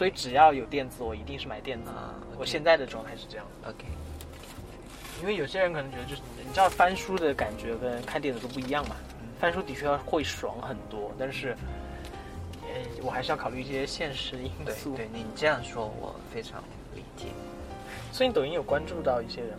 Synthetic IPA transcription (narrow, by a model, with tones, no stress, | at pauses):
swɔ˧˥i˧˥ʈ͡ʂɻ̩˨˩jɑ˥˩ʊjo˨˩ʊt̪jɛ˥˩nt͡sɹ̩˨˩wɔ˨˩i˧˥t̪i˥˧ŋʂɻ̩˥˩ma˧˩ɪt̪jɛ˥˩nt͡s̩˧˥ | ɔ˥˩ɕjɛ˥˧nt͡sa˥˩ɪd̪ə˩ʈ͡ʂwɑ˥˧ŋt̪ʰa˥˧ɪʂɻ̩˥˧ʈ͡ʂɤ˥˧jɑ˥˩ŋd͡zo̰˧kʰ | t̪e˥˩ɪ | i˥nwe˥˩ɪjo˨˩ʊɕjɛ˥ɻnkʰɤ˨˩ɤ˧˥t͡ɕɥ̪ə˧t͡ɕo˥˧ʊʂɻ̩˧˥˩ni˨˩t͡ɕfa˥nʂu˥d̪ə˨ka˨˩nt͡ɕɥɛ˧˥kə˥nkʰa˥˩nt̪jɛ˥˩nə˨˩t̪o˥pu˥˩i˧˥jɑ˥˩ŋmɐ˩˥˩fa˥nʂu˥t̪i˨˩t͡ɕʰɛ˥˧jɑ˥˧ʊ˥xwe˥˩ɪʂwɑ̰˧˥ŋxə˨˩nt̪wɔ˥t̪a˥˧nʂɻ̩˥˩ | e˥˩ɪwɔ˨˩xa˧˥ɪʂɻ̩˧jkʰɑ˨˩ʊɻy˥˧˥i˥˩ɕjɛ˥ɕjɛ˥˩nʂɻ̩˧˥˧i˥n˥˧su˥˩e˥˩n˧˥ni˨˩ʈ͡ʂɤ˥˧jɑ˥˩ŋʂwɔ˥wɔ̰˨˩fe˥ɪʈ͡ʂʰɑ̰˧˥ŋ | wḛ˧˥ɪt͡ɕjɛ̰˨˩ | swɔ˧˥i˧˥t̪o˨˩i˧˥njo˨˩ʊkwa˥nʈ͡ʂu˥˧t̪ɑ˥˧ʊi˥˩ɕjɛ˥ɻə˧˥n